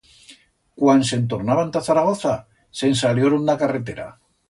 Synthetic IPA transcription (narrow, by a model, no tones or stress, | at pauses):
kwanse̞nt̪oɾnaβant̪aθaɾaɣ̞oθa | se̞nsaljoɾund̪akaret̪e̞ɾa̰